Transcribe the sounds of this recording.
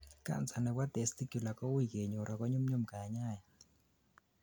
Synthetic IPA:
ka̰˦˨nt͡sa˨nɛ˨wa˦t̪e˨st̪i˦kju˨la˨kɔ˦wi˦˨ke˨ɲo˨ɾʔa˨kɔ˦ɲʊ˦mɲʊ˦˨mka˨ɲa˦˨ja˨

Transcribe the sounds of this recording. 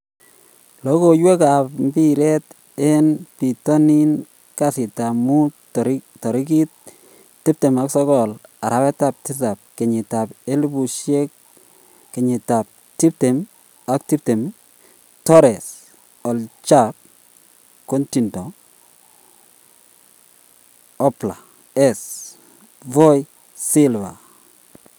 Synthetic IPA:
lɔ˨˦ko˨jwe˦ka˨pm˦bi˦ɾɛ˦t | e˦npi˨tɔ˦ni˦n | ka˨sɪ˨ta˨mu˦ | tɔ˨ɾi˦k̬i˦tː | i˦p̚te˨ma˦ksɔ˦kɔ˨la˨ɾa˦wɛ˦ta˦˨p̚ti˦ta˨p̚kɪ˨ɲɪ˨ta˨pe˦lbu˨ʃe˦k | kɪ˨ɲɪ˨ta˨p̚ | ti˦p̚te˨m | a˨k̚ti˦p̚te˨m | tɔ˦ɾe˨s | ɔ˨lt͡ʃa˦p̚ | ko˦nti˨ntɔ˨ | ɔ˦pla˨ | ɛ˦s | vo˦j | si˦lva̰˨

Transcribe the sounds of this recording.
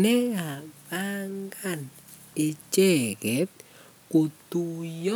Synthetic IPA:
nɛ˦ŋa˨ba˦ŋɡa˦˨n | ɪ˨t͡ʃɛ˦˨kɛ˨˦t̚ | ko˨t̪u˨jɔ˦

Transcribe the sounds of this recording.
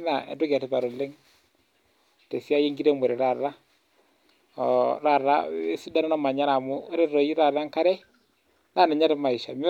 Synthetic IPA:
na˨ɛ̰˨du˦ɡa˨ti˨˦pa˨ɾu˨li˦ŋ | te˨si˦a˦je˦ŋɡi˦ɾe˦mu˨ɾi˨ɾa˨ɾa˦ | ɔ̰˨ɾa˦˨ɾa̰˦si˦da˦na˦nɔ˦ma˨ɲa˦ɾa˨mu˦ɾi˦ɾo˨ji˦ɾa˨ɾa˦ŋka˦ɾɛ˦ | na˦˨na˨ɲa˦ɾi˦ma˨i˨ʃa˨m˦

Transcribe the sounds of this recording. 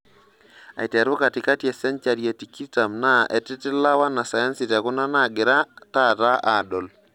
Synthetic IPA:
a̰˨itɾo˦ka˨tɪ˨ka˦tjɛ˨sɛ˦nt͡ʃa˨ɾje˨ti˨ki˦ta˨mna˦ʔɛ˨tɪ˦tɪ˦la˦wa˦na˨sa˨ja˦nsɪ˨ta˨kʊ˦na˦na˦˨ɡɪ˨ɾa˦ta˦ta˦ʔa˨dɔ˨l

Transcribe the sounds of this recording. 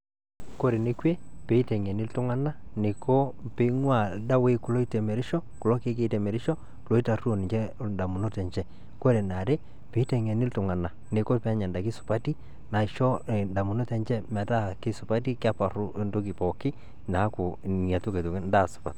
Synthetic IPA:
ko˦ɾe˨ne˦kwe˦pe˨i˦te˨ŋe˨nɪ˦ltʊ˦ŋa˦na˦ne˨ko˦pe˨˦ŋwa˦˨da˦we˦kʊ˨lo˦i˦tɛ˨me˨ɾɪ˦ʃɔ˦kʊ˨lɔ˦ke˦ke˦tɛ˨me˨ɾɪ˦ʃɔ˦ | lo˨˦i˦ta˨ru˦o˨nɪ˨ɲt͡ʃɛ˦da˨mu˨no˦tɛ˨ɲt͡ʃɛ˦ | ko˦ɾe˨na˨ɾe˦ | pe˨˦tɛ˨ŋe˨nɪ˦ltʊ˨ŋa˨na˨ | ne˨ko˦pa˦ɲɛ˨nda˨kɪ˦sʊ̥˨pa˦ti˦ | na˨ɪ˨ʃo˦˨nda˨mu˨no˦tɛ˨nt͡ʃɛ˦mɛ˨ta˦˨kɪ˦sʊ˨pa˦t̬i˦ka˦pa˨ɾʊ˦ndo˦k̬ɪ˨pɔ˨kɪ˦ | na˨˦kʊ˨a˨tu˦ke˨to˨ŋ˦nda˦˨sʊ̥˨pa̰˨t̚

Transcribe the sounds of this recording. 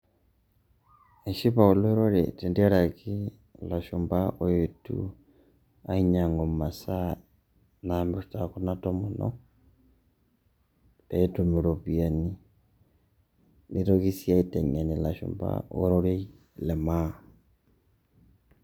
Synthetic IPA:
e˨ʃi˦βa˨u˨lo˦e˦ɾo˦ɾḛ˨te˨ndi˦a˦ɾa˨ki˦ | la˨ʃu˨mba˦ʔo˦je˨tṵ˨ | a˦i˦ɲa˨ŋɡo˨ma˨sa˦ | na˨mbe˦sta˨ku˦na˦tɔ˦mu˨nɔ̰ | e˨e˦tu˨mu˨ɾo˨βi˨a˨ni˦ | ni˦ɾo˦ɣi˦sja˦itɛ˨ɲa˨ni˨la˨ʃṵ˨mba̰˦o̰˦ɾo˦ɾe˦ | lɛ˨ma˦

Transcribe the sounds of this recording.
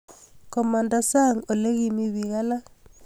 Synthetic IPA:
kɔ˨ma˨nda˨sa˦ŋo˨le˦ɣi˦mi˦βi˨ɣa˦la˦

